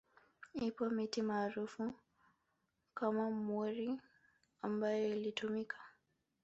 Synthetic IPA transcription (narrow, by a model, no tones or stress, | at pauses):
ipɔmitimaːɾufu | kamamɛɾi | ambajɔilitumikʰḁ